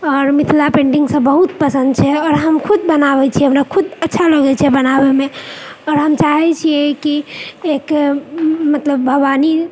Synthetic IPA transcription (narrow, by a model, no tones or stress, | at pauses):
ɔːɾmit̪ʰlapẽɳɖiŋɡsə̃bəɦut̪pəsə̃nd̪̚t͡ʃʰɛɔːɾɦəmkʰud̪̚bənaβɛt͡ʃʰiɦəmɾakʰud̪ətːʃʰaləɡɛt͡ʃʰɛbənabemeɔːɾɦəmt͡ʃaɦɛt͡ʃʰiekiek | mət̪ləbːʱəʋani